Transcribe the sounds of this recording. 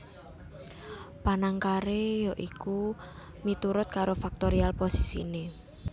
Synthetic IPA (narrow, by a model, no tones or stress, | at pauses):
panaŋkaɾejɔʔiku | mit̪uɾʊt̪̚kaɾofak̚t̪oɾialposi̥sḭne